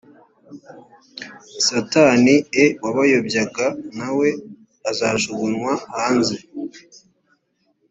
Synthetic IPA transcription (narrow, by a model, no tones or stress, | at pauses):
sataniewaβajobjaɡanawe̞ | azaʃuβunŋwahaːnze